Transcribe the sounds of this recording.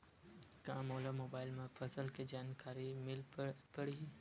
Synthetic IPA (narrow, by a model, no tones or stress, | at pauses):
kãːmoːlamoːbaːɪlmẽpʰəsəlked͡ʒaːnkaːɾimɪlpəɽ̤i